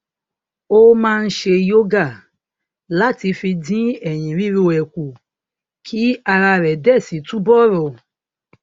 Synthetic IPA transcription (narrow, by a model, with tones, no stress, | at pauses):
o˦mãː˦˧n̩˦ʃe˧jo˦ɡa˦˨ | la˦ti˧fĩ˧dĩ˦ɛ˨j̃ĩ˨ɾi˦ɾi˦o˧˨ɛ˨ku˨ | kʰi˨˦a˧ɾa˧ɾɛ˨dɛ˦˨si˨˦tũ˦bɔ˦˨ɾɔ˨